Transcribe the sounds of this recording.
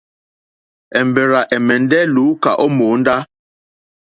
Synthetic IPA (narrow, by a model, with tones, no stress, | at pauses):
ɛ˨m˨be˨ɾa˨ʔɛ˨mɛ˨n̩˦dɛ˦lu˨˦ka˨ʔɔ˦mo˨˦n̩˦da˦